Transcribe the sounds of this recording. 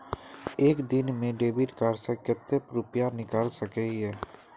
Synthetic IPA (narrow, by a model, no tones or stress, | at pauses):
eːkd̪ɪnmẽɖeːbiʈkaːɾsəkət̪ːepɾʊpjanɪkaːlsəkeɛː